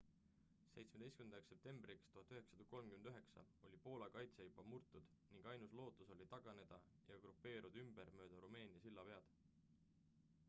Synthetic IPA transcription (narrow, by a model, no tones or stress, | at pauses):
se̞jt̪smed̪ejst̪kymnd̪ɑksːe̞p̚t̪e̞mbrikst̪uɦɑt̪ːˑyɦe̞ksɑd̪̥ɑko̞lmkymend̪yɦe̞ksɑ̰ | o̞lʲipo̞ːlɑkɑjt̪sejubɑmurt̪ːˑud̪̥niŋɡ̥ɑjnuslo̞ːt̪ːˑuso̞lʲit̪ɑɡ̥ɑne̞d̪̥ɑ | jɑɡ̥rupːe̞ːɾud̪̥ymb̥eɾmø̞ːd̪̥ɑɾume̞ːnʲiɑsilːɑpe̞ɑd̪̥